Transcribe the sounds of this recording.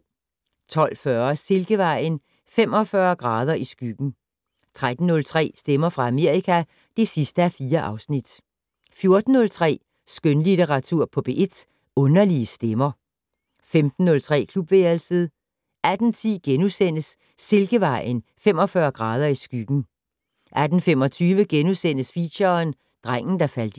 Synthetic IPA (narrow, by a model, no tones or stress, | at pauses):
t͡sʰɒ̽l̰fɶɐse̝lɡ̥əʋɑ̈ɪ̰n | fem̰ɒ̽fɶːɐɡ̥ʁɑ̈ːð̞ˠɐʔisɡ̥yɡ̥n̩ | t͡sʰʁad̥n̩ːɔ̽lt͡sʰʁɛ̰ːsd̥emɐfʁɑ̈æme̝ɐ̰ikʰæ | d̥e̝sisd̥əæɐfiːɐʔɑ̈ʊsnid̥ | fjo̝ɐd̥n̩ːɔ̽lt͡sʰʁɛ̰ː | sɡ̥ønlit͡seʁɑ̈t͡sʰuɐ̰pʰɔ̽b̥e̝ʔe̝d̥ | ɔ̽nɐliəsd̥emɐ | femd̥n̩ːɔ̽lt͡sʰʁɛ̰ːkʰlub̥ʋeɐlsəðˠ | æd̥n̩t͡sʰḭːɡ̥enusen̰əsː | e̝lɡ̥əʋɑ̈ɪ̰nfem̰ɒ̽fɶɐɡ̥ʁɑ̈ːð̞ˠɐisɡ̥yɡ̥n̩ | ʔæd̥n̩fem̰ɒ̽t͡sʰyːʋəɡ̥enusen̰əsfiɕɐn | d̥ʁaŋ̰n̩d̥ɑ̈fæl̰d̥